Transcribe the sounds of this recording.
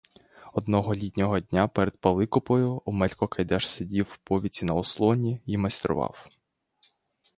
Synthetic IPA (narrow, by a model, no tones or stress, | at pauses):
ɔd̪nɔɦɔlʲit̪ʲnʲɔɦɔd̪ʲnʲapɛɾed̪̚pɐlˠɪkʊpɔjʊʊmɛlʲkɔkɐjd̪ɛʃsʲedʲiwːpɔʋʲit͡sʲinɐɔslˠɔnʲiimɐsʲt̪ɾʊ̰ʋɑ̰w